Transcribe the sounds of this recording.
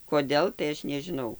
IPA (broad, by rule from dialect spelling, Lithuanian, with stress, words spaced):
koːˈdʲeːlˠ tɐɪ ˈɐʃ nʲɛʒʲɪˈnɐʊ